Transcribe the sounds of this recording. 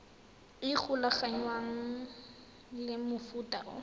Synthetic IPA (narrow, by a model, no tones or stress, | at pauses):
ɪk͡xʰʊlaχaɲwaŋ̩ | lɪmʊfutaʊ̰